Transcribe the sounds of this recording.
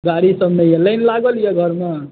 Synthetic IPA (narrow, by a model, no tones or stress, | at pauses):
ɡaɽisəbnəjeləɪnlaɡəljeɡʱəɾme